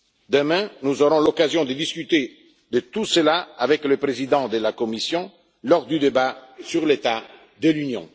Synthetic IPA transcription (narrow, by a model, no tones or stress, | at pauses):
d̪əmɛ̃nuzoɾɔ̃lɔkazjɔ̃d̪əd̪iskyt̪e | d̪ət̪usəlaavɛkləpɾezid̪ɑ̃d̪əlakɔmisjɔ̃ | lɔʁd̪yd̪ebasyʁlet̪a | d̪əlynjɔ̰̃